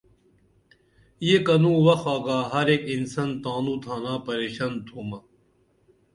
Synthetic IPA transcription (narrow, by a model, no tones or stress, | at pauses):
jekɐnũːʋɐxaːɡaːɦɐɾeːkinsɐnt̪aːnuːt̪ʰaːnaːpɐɾeːɕaːnt̪ʰuːmɐ